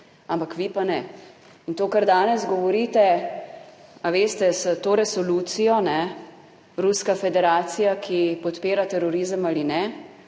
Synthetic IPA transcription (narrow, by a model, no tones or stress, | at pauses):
ampakʋipanɛ | int̪oːkaɾd̪aːnɛzɡɔʋɔɾiːt̪ɛ | aʋeːst̪ɛsət̪oːɾɛsɔlut̪sijɔnɛ | ɾuskafɛd̪ɛɾaːt̪sijakʰipɔt̪peːɾat̪ɛɾɔɾiːzəmaːlinɛ